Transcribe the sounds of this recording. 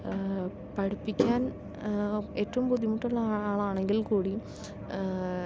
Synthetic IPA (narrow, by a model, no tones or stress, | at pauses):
pɐɽupːikʲːaːn | eːtːɐʋumpuðimuʈːuɭːɐaːaːɭaːɳeŋɡilkuːɽi